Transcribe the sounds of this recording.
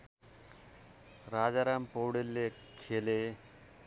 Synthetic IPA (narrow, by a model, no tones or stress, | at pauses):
rad͡zaɾampowɽelːe | kʰele